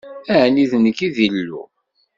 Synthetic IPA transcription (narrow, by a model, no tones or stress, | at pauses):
æʕniðnəkːiðilːṵ